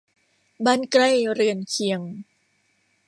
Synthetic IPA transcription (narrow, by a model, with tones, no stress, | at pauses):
baː˧˥nkɾa˧˩jɾɯ˧ənkʰi˧˩əŋ